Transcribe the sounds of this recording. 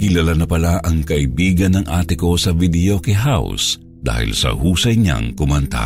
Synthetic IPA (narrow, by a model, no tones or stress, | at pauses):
kɪlalanɐpɐlaʔɐŋkɐʔɪbiːɡɐnːɐŋʔaːt̪ɪko̞sɐvid̪ɛjo̞kɛɦaws | d̪̥a̰ːhɪ̰lsɐ̰huːsɐjɲa̰ŋkʊmɐnt̪a̰